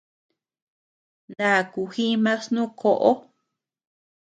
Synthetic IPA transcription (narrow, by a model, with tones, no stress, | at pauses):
nã˧˨ku˧hi˦mã˦snũ˦kʰo˧ʔo˦